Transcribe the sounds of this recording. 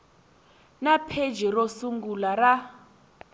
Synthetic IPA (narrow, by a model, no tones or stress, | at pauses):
napʰe̥d͡ʒɛrosuŋɡulara